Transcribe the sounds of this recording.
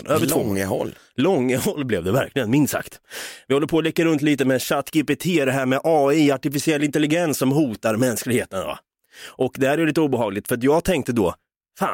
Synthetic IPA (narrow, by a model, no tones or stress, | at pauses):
øːvəəhɔ̰lː | lɔŋːəhɔlːblɛvd̪ɛvæ̰ɾklɪɡənmɪnsa̰kt̪vɪhɔlːəpʰɔːlɛkːəɾɵnt̪liːt̪əmɛɕat̪ɡ̥ɪpɪt̪ʰeːd̪ɛɦæːɾmɛʔɑːɪaʈɪfɪsɪɛlːɪnt̪ɛlːɪɡɛnsːɔmɦuːt̪aɾmɛnsklɪɡheːt̪ənva̰ | ʔɔkd̪ɛhæːɾæjliːt̪əuːbəɦɑːɡlɪɡt̪fœɾat̪jɑːɡt̪ʰɛŋk̚t̪əd̪ɔː | fa̰ː